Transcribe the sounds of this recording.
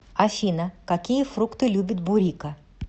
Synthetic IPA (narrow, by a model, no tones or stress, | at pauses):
ɐfʲinəkɐkʲijəfɾukt̪ɨlʲubʲɪt̪̚bʊɾʲikə